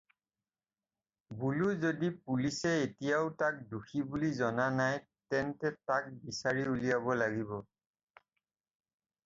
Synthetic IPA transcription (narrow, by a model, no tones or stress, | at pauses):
buluzodipulisɛetijaʊtak̚duxibulizɔnanaj | tɛntɛtak̚bisaɹiulijabɔlaɡibɔ